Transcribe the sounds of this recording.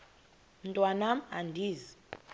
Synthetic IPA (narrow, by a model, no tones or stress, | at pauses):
m̩tʼwanamandʱiːzi